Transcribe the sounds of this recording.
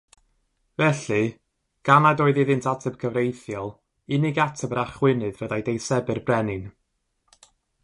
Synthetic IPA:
vɛɬɨ | ɡ̥anadɔːɨðɪðɪntʰatʰəb̥̚kʰəvrejθjɔlˠ | ɪnɪɡatʰəbəɾaχwɪnɨðvəðajdejsɛbɨrbrɛnɨn

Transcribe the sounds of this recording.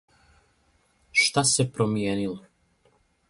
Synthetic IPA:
ʃt̪asepɾomjeːnilo

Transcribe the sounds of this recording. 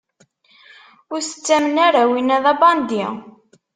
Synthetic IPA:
ʊɾsə̥t͡sːæmənæɾawinæðɑbɑnd̪i

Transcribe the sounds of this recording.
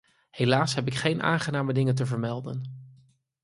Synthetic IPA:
hejlaːsɦɛp̬ɪkχejnʔa̰ːŋχənaːmədɪŋəntəvəɹmɛlˠdə̰n

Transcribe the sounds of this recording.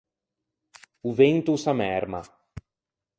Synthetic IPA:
uvent̪usamɛɾma̰

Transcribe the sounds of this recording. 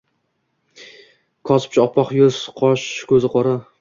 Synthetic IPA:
kʰɒsɪ̥p̚t͡ʃʰaɒpʰːɒqjʊz̥qʰɒʃkʲʰɵzɪqʰɒɾa

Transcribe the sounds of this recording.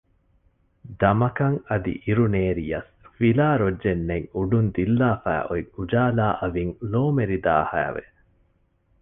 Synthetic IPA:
d̪ɐmɐkɐŋɐd̪ḭʔiɾuneːɾijɐs | filaːɾod͡ʒd͡ʒenːeŋuɖund̪ilːaːfæ̰ːʔoiŋud͡ʒaːlaːʔɐʋiŋloːmeɾid̪a̰ːhæ̰ːʋḛ

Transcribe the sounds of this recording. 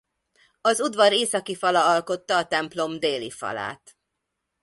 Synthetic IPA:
ɒzud̪ʋɒɾeːsɒkifɒlɒɒlko̞t̪ːɒːt̪ɛmplo̞md̪eːlḭfɒ̰la̰ːt̪

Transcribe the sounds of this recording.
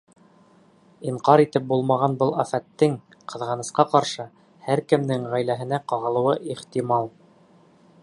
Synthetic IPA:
iɴqɑɾit̪ɘp̚bulˠmɑʁɑnbɤlˠæfæt̪ːɘŋ | qɤ̆ðʁɑnɤ̆sqɑqɑɾʃɤ | hæɾkɘ̆mnɘŋʁæjlæɦɘ̆næqɑʁɤ̆lˠɤ̆wɤʔiχt̪imɑlˠ

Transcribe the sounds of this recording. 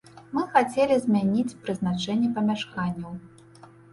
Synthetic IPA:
mɨxat͡sʲelʲizʲmʲanʲit͡sʲpɾɨznat͡ʂɛnʲːɛpɐmʲaʂkanʲːɐw

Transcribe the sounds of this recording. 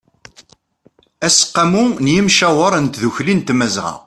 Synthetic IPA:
æsə̥qːamunjimʃæwəɾˤənt̪ðuçlint̪mæzʁɑ̰

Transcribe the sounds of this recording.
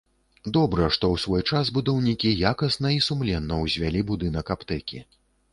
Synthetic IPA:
d̪ɔbɾɐʂt̪ɔwsvɔjt͡ʂazbud̪ɐwnʲikʲijakɐsnɐisumlʲɛnːɐwzʲvʲalʲibud̪ɨnɐkapt̪ɛkʲi

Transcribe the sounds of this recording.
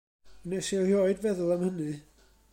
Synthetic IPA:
nɛsihjoɨdvɛðʊlˠamhənɨ

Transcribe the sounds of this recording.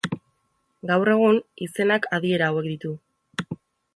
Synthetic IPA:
ɡawre̞ɣ̞unise̞nakʰaðie̞ɾaːwe̞kd̪it̪u

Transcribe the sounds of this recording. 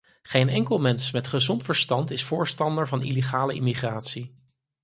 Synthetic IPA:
χejnɛŋkəlˠmɛnsmɛtχəzɔntfəɹstɑntɪsfʊːɹstɑndəɹvɑnḭleχaːləʔɪmiχraːtsi

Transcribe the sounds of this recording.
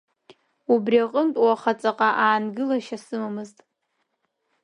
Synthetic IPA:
ubriaqʼəntʼwaχat͡sʼaqʼaʔaːnɡɨlaʃasɨmamɨztʼ

